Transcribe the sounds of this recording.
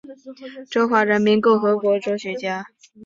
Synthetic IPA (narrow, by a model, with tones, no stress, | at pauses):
ʈ͡ʂo˥xwa˥˩ɻə˧˥nmi˧˥nko˥˩ʊxɤ˧˥kwɔ˧˥ʈ͡ʂɤ˧˥ʊɕɥɛ˧˥t͡ɕja˥